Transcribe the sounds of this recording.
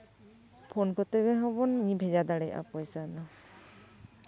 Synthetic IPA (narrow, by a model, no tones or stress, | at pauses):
pʰɔnkɔt̪ɛɡɛɦɔbɔnɲibʱɛd͡ʒad̪aɽɛjʔa̰pɔjsana